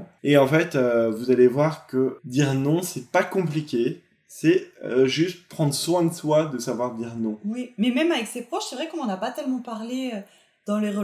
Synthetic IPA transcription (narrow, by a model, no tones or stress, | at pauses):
eɑ̃fɛt̪øvuzalevwaʁkəd̪iʁnɔ̃sɛpakɔ̃plikʲe | sɛʒyst̪̚pχɑ̃d̪ʁəswɛ̃d̪əswad̪əsavwaʁd̪iʁnɔ̃wimɛmɛmavɛksepχɔʃsɛvʁɛkɔ̃nɑ̃napat̪ɛlmɑ̃paʁleø | d̪̥ɑ̃leʁə